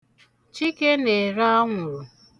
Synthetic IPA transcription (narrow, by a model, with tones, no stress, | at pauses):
t͡ʃi˦ke˦ne˨ɾa˦a˦ŋʷʊ˨ɾʊ˨